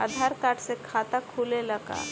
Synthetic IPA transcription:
ə̰d̪ʱaɾkaːʈsekʰaːt̪akʰuːleləɡa̰

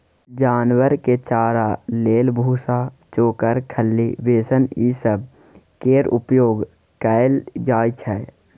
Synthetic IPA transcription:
d͡ʒaːnwəɾket͡ʃaːɾaleːlbʱuːsaː | t͡ʃoːkəɾkʰəlːiʋeːsəniːsəb̚ | keːɾʊ̰pjoːɡ | kɛːɪld͡ʒaːjt͡ʃʰɛː

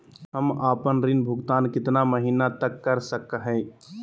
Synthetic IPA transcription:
ɦɐmaːpənɾɪnbʱʊɡt̪aːnkɪt̪naməɦiːnat̪ɐkːɐɾsəkɦɛ̃ː

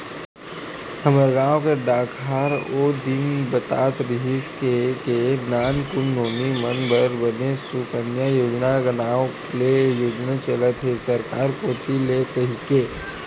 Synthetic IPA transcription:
həməɾɡaːõkeɖaːkʰaːɾoːd̪ɪnbət̪a̰ːt̪ɾɪɦɪskekenaːnkʊnːoːnimənbʱəɾbənesukənjajoːd͡ʒnaɡənaːõklejoːd͡ʒnət͡ʃələt̪ɦesəɾkaːɾkoːt̪ilet̪ɐɦɪke

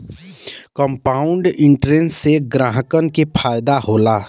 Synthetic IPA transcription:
kəmpaːʊɳɖɪ̃ɳʈɾẽnsːeɡɾaːɦəkənkepʰaːɪd̪aɦoːlaː

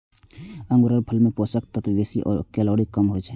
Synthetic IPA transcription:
ə̃ŋɡuɾəɾpʰəlmeposəkt̪ət̪ʋesiʔɔ̰ːɾkelɔːɽikəmɦojt͡ʃʰɛ

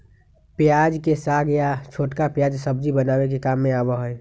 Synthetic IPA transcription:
pjaːd͡ʒkesaɡjat͡ʃʰoːʈkapjaːd͡ʒsəb̚d͡ʒibənaːwek̬ekaːmːẽaːbəɦoɛ

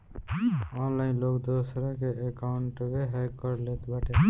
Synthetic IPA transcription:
ɔ̃nlaɪ̃nlokd̪osɾakeekaʊɳʈbeɦɛkəɾlet̪baʈe

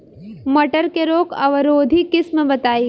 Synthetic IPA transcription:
mɐʈəɾkeɾoːkɐʋəɾoːd̪ʱikɪsməbɐt̪aːi

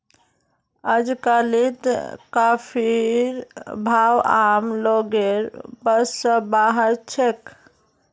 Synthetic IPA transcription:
əd͡ʒkalit̪kapʰiɾbʱawa̰mloɡeɾbəsːə̃baɦəɾt͡ʃʰek

